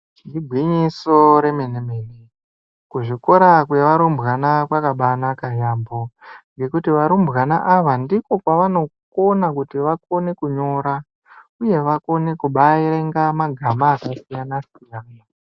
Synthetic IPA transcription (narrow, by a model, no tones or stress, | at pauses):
ndiɡʱwiɲiso̞ɾe̞menemene | kuʐiko̞ɾakweʋaɾumbɣanakwakaɓanakajaːmbo̞ŋɡe̞kutiʋaɾumbɣanaʔaʋandiko̞kwaʋano̞konakutiʋak̚o̞ne̞kuɲo̞ːɾa | uje̞ʋako̞ne̞kuɓaiɾeŋɡamaɡʱamaːkasijanasijaːna